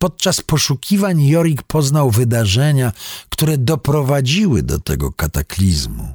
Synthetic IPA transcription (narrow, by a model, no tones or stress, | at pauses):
pɔt̪̚t͡ʂaspɔʂukʲivaɲjɔɾʲikpʰɔznawvɘd̪aʐɛɲakt̪uɾɛd̪ɔpɾɔvad͡ʑiwɘ̰d̪ɔ̰t̪ɛ̰ɡɔ̰kat̪aklʲizmṵ